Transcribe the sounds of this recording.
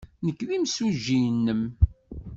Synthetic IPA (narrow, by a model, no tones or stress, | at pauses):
nəkːðimsuʒːinːəm